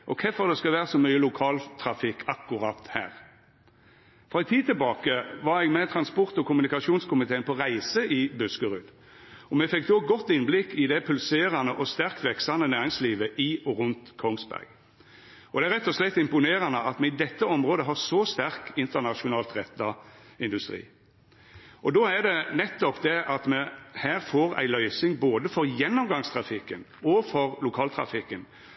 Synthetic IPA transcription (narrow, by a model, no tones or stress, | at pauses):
ʔɔkʰɛfɔʁd̪ɛskɑʋæːɾəsɔmœʏːəlʊkʰɑːlt̪ʰɾɑfɪkʰːɑkːʊɾɑt̪hæ̰ːʁ | fʁɑɛɪt̪ʰiːt̪ʰɪlbɑːkəʋɑɾɛɡmɛt̪ʰɾɑnspɔʁt̪ɔkʊmʉnɪkɑʂuːnskʰʊmɪt̪ʰeːnpʰɔʁæɪsəʔɪbʉskəʁʉd̪ | ɔmɛfɛkːd̪oːɡɔt̪ːɪnblɪkːɪd̪ɛpʰʉlseːɾɑnəʔɔst̪æʁkt̪ʋɛksɑnənæːɾɪŋsliːʋəʔɪɔʁʉnt̪kʰɔŋsbæ̰ʁɡ | ɔd̪ɛæɾʁɛt̪ːɔslɛt̪ːɪmpʊneːɾɑnəɑt̪mɛɪd̪ɛt̪ːəɔmʁoːd̪əɦɑsɔst̪æʁkɪnt̪ənɑʃʊnɑːlt̪ʁɛt̪ːɑɪnd̪ʉst̪ʁḭː | ʔɔd̪oːæd̪ɛnɛt̪ːɔpd̪ɛɑt̪mɛhæːʁfoːɾæ̰ɪlœʏsɪŋboːd̪əfɔʁjɛnːɔmɡɑŋst̪ʰɾɑfɪkːən | ɔfɔʁlʊkʰɑːlt̪ʰʁɑ̰fɪkːən